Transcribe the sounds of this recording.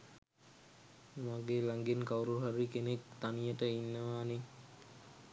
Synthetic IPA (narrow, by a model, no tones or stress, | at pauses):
maɡeːlaŋɡenkawɾuɦaɾikenek̚t̪anijəʈəinːəʋaːne